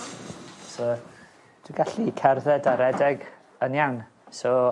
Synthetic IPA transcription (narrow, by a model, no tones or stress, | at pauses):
sɔ | d̥wiɡaɬikʰɛrðɛdaɾɛdɛɡ | ənjawn | sɔ